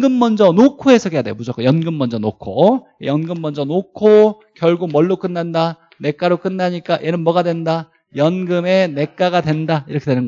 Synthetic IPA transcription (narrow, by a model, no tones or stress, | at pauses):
ɡɯmːʌnd͡ʑʌnokʰoe̞sʰʌɡejadwejomud͡ʑok͈ojʌnɡɯmːʌnd͡ʑʌnokʰo̰ | jʌnɡɯmːʌnd͡ʑʌnokʰo | kjʌɭɡomʌɭːok͈ɯnːanda | ne̞k͈aɾok͈ɯnːaɲik͈ajʔenɯnmʌɡadwe̞nda | jʌnɡɯme̞ne̞k͈aɡadwe̞ndaiɾʌkʰe̞dwenɯnɡʌ